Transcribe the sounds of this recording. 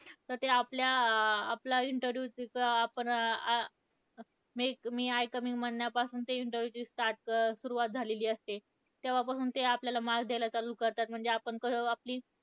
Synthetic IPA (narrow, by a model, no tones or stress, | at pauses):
t̪əɾt̪eapljaːplaiɳʈəɾjukapəɳa | mekmiːajkəmiŋɡmənːjapasuːnt̪eiɳʈəɾʋjut͡ɕiːsʈaɾʈ̚suɾuʋat̪̚d͡zʱaleliːəst̪e | t̪jaʋapasuːnt̪eapljalamaɡd̪elat͡saluːkəɾt̪at̪̚m̤əɳd͡zeapəɳkəapliː